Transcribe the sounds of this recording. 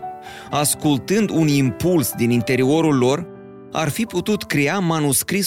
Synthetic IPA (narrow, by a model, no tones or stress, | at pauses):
askult̪ɨnd̪unimpulsd̪inint̪e̞ɾio̞ɾulːo̞r | a̰rfiput̪ut̪kɾeamanuskɾi